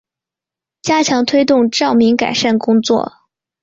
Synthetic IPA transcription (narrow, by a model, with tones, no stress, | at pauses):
t͡ɕja˥t͡ɕʰjɑ˧˥ŋt̪ʰwe˥ɪt̪ʊ˥˧ŋʈ͡ʂɑ˥˩ʊmi˧˥ŋka̰˨˩ɪʂa˥˩nkʊ˥ŋt͡swɔ̰˥˩